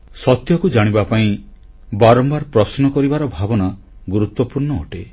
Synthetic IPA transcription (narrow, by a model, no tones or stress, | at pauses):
sɔt̪jɔkud͡ʒaɽ̃ibapaĩ | baɾɔmbaɾpɾɔsnɔkɔɾibaɾɔbʱabɔna | ɡuɾut̪wɔpuɾɳɔːʈe